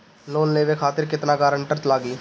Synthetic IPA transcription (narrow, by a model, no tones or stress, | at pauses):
loːnleːʋekʰaːt̪ɪɾkɪt̪naːkaːɾəɳʈəɾt͡ʃlaːɡiː